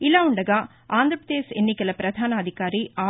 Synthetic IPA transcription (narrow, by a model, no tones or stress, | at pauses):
ɪlaːʊɳɖɐɡaː | aːnd̪ɾɐpɐd̪eːsɛnːikːɐlɐpɾɐd̪ʱaːnɐɐd̪ʱɪkaːɾiaː